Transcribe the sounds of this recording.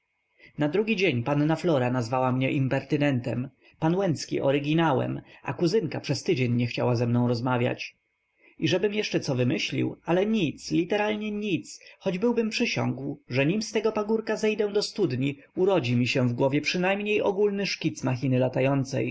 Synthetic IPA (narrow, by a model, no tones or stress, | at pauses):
nad̪ɾuɡʲid͡ʑeɲpanːaflɔɾanazvawamɲɛʔimpɛɾt̪ɘnɛnt̪ɛ̰m | panwɛnt̪skʲḭʔɔ̰ɾɘɡʲinawɛ̰mʔa̰kuzɘŋkapʂɛst̪ɘd͡ʑeɲːɛxt͡ɕawazɛmnɔ̃w̃ɾɔzmavʲja̰t͡ɕ | iʐɛbɘmjɛʂt͡ʂɛt̪sɔvɘmɘɕlʲḭwalɛɲit̪slʲit̪ɛɾalɲɛɲit̪sxɔd͡ʑbɘwbɘmpʂɘɕɔ̰̃ŋɡwʐɛɲimst̪ɛɡɔpaɡuɾkazɛjd̪ɛw̃d̪ɔst̪ud̪ɲi | uɾɔd͡ʑimʲiɕɛ̃vɡwɔvʲjɛpʂɘnajmɲejɔɡulnɘʂkʲit̪smaxʲinɘlat̪ajɔnt̪sɛ̰j